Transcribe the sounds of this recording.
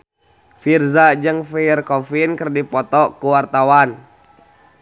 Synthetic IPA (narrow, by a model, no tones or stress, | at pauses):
firzad͡ʒɨŋfɛrkɔfinkərdipɔt̪ɔkuwart̪awan